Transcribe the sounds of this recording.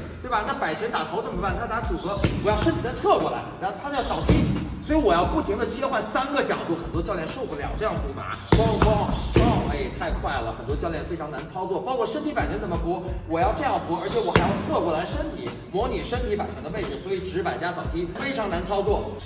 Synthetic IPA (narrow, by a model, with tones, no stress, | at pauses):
t̪we˥˩ɪbɐ˩na˥˩pa˨˩ɪt͡ɕʰɥɛ˧˥nt̪a˨˩t̪ʰo˧˥ʊt͡sə˨˩mə˧˥a˥˩nt̪ʰna˧˥t͡su˨˩xɤ˧˥wɔ˨˩jɑ˥˧ʊʂə˥t̪ʰi˨˩d̪ə˧˥t̪ʰɤ˥˩kwɔ˧˩la̰˧˥ɪ˧˥t̪ʰa˥ə˧˥jsɑ˨˩ʊt̪ʰi˥swɔ˧˥i˧˥wɔ˨˩jɑ˥˧ʊpu˥˩t̪ʰi˧˥ŋd̪ə˧t͡ɕʰjɛ˥xwa˥˩nsa˥nɡə˨t͡ɕjɑ˨˩ʊt̪u˥˩xə˨˩nt̪wɔ˥t͡ɕjʊljɛ˥nʂo˥˧ʊpu˥˩ljɑ̰˨˩ŋʈ͡ʂɤ˥˧jɑ˥˩ŋpu˧˥ma̰˧˥kwɑ˥ŋfɑ˥ŋkɑ˥˩ʊme˧˩ɪt̪ʰa˥˧ɪkʰwa˥˩ɪlə˩xə˨˩nt̪wɔ˥t͡ɕjɑ˥˧ʊljɛ˥˩nfe˥ɪʈ͡ʂʰŋna˧˥nt͡sʰɑ˥ʊt͡swɔ˥˩pɑ˥ʊkʰwɔ˥˩ʂə˥nt̪ʰi˧˥pa˨˩nt͡ɕʰɛ˧˥nt͡sə˨˩mə˦pu˧˥wɔ˨˩jɑ˥˧ʊʈ͡ʂɤ˥˧jɑ˥˩ŋpu˧˥ə˞˧˥t͡ɕʰjɛ˧˥wɔ˨˩xa˧˥jɑ˥˧ʊt̪ʰɤ˥˧kwɔ˧˩la˧˥ɪʂə˥nt̪ʰi˧˥ | mwɔ˧˥ni˨˩ʂə˥nt̪ʰi˧˥pa˨˩ɪt͡ɕʰɛ˧˥d̪ə˧e˥˩ɪt͡sɹ̩˨˩swɔ˧˥i˨˩ʈ͡ʂɻ̩˧˥pa˨˩nt͡ɕja˥sɑ˨˩ʊt̪ʰi˥fe˥ɪʈ͡ʂʰɑ˧˥ŋna˧˥nt͡sʰɑ˥ʊt͡swɔ˥˩